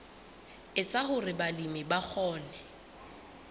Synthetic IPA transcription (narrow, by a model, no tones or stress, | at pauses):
ɪt͡sʼahʊrɪbalimɪbak͡xʰɔːnɛ